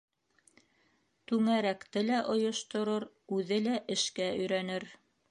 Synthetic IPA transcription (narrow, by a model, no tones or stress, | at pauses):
t̪ʉŋæɾækt̪ɘlæʔŏjŏʃt̪ŏɾoɾ | ʉðɘlæʔɘ̆ʃkæɵ̆jɾænɘɾ